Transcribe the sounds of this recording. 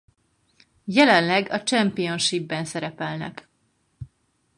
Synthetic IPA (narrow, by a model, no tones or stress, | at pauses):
jɛlɛnlɛɡɒt͡ʃɛmpijo̞nʃibːɛnsɛɾɛpɛlnɛ̰k